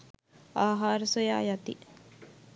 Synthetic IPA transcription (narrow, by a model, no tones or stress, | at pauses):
aːɦaːɾəsoja̰ːjat̪i